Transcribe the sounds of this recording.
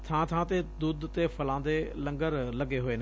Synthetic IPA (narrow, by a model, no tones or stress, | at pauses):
t̪ʰãːt̪ʰãːt̪ed̪uːd̪t̪epʰəlãːnd̪eːlə̃ŋɡəɾləɡeːɦoeːne